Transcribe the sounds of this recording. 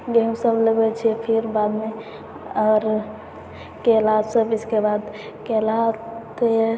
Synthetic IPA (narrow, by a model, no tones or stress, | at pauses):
ɡemsəbləɡɛt͡ʃʰɛpʰiɾbad̪me | aɾ | kelasəbiskebad̪ | kelat̪e